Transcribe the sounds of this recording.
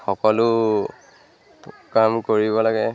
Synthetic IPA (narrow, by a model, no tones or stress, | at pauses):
xɔkɔlʊ | kamkoɹibɔlaɡɛ